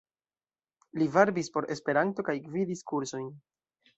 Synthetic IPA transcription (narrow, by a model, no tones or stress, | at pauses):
livaɾbispo̞ɾe̞spe̞ɾanto̞kajkvidiskuɾso̞jn